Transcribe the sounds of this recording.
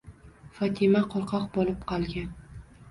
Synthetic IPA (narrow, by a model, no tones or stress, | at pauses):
fɒt̪ʰɪmaqʰɒɾˠqʰɒqbɒlˠɪpqʰɑlˠɡʲan